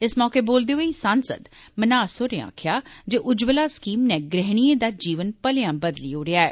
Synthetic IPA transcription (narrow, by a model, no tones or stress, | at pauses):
ɪsmɔːkeːboːld̪eːɦoiːsaːnsə̰d̪mənaːsoːɾea̰ːkʰjaːd͡ʒoːʔʊd͡ʒbəlaːskiːmnɛ̃ːɡɾɛɦɽ̃ieːd̪aːd͡ʒiːʋənpəleãːbəd̪liːoːɽɪjaːɛː